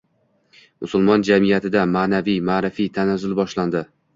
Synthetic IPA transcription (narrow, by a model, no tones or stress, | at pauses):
mʊsʊlˠmɒnd͡ʒamijat̪ʰɪd̪amaːnavijmaːɾɪfijt̪ʰanazʊlbɒʃland̪ɪ